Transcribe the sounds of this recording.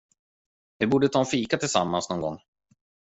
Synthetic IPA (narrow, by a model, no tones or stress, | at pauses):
vɪbuːɖət̪ʰɑːɛnfiːkat̪ʰɪlsa̰mːa̰nsnɔːŋɡɔŋː